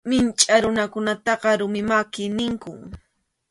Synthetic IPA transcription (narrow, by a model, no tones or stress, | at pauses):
mɪnt͡ʃʼaɾʊnakʊnat̪ɑqɑɾʊmɪmakɪnɪŋkʊŋ